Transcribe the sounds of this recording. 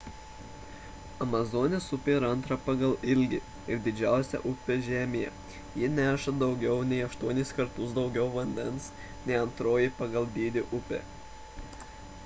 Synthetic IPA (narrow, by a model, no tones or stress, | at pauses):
ɐmɐzɔːnʲesʊpʲeɪɾɐnˑt̪ɾɐpɑɡɐlˠɪlʲɡʲɪ | ɪɾd̪ʲɪd͡ʒʲæˑʊsʲɛ̰ʔʊpʲeʒʲæːmʲɪjɛ̰ | jɪnʲæːʃɐd̪ɒʊɡʲɛʊnʲɛɪɐʃt̪uɔnʲɪskɐɾt̪ʊsd̪ɒʊɡʲɛʊʋɐnʲd̪ʲɛns | nʲɛɪɐnt̪ɾoːjɪpɐɡɐlˠd̪ʲiːd̪ʲɪʔʊpʲḛ